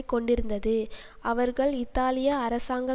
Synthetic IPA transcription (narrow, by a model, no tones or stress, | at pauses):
ɪkːɔɳɖɪɾɯnd̪ɐðɯ | ʔɐʋɐɾɣɐɭɪt̪ːaːlɪjɐːɾɐsaːŋɡɐ